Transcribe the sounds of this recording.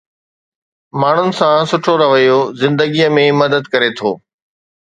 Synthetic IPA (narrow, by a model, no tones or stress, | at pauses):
maːɳ̤ʊnɪ̆sãsʊʈʰoɾɐʋəjozɪ̃nd̪əɡijəmẽmɐd̪əd̪kɐɾet̪ʰo̰ː